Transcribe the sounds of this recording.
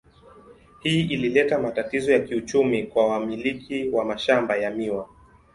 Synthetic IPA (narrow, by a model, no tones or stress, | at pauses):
hiːʔililɛtamatatizɔjakiut͡ʃumikwawamilikʰiwamaʃambajamiwa